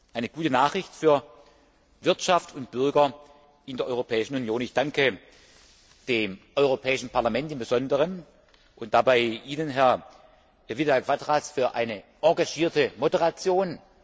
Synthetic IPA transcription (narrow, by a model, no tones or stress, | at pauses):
ʔaɪnəɡ̥uːtənaːχʁ̥ɪçtfyːɐ | vɪɐtʃaftʰʊnt̚b̥ʏɐɡɐ | ʔɪndeːɐʔɔʏʁopʰɛːɪʃn̩unjoːnɪçd̥aŋkə | d̥eːmʔɔʏʁopʰɛːɪʃn̩pʰaɐlamɛntɪmbəzɔndəʁən | ʔʊntd̥abaɪʔiːnənɦɛɐ | vitalkv̥atʁasfyːɐʔa̰ɪnəʔɑɐɡaʃiːɐtəmodəʁat͡sjoːn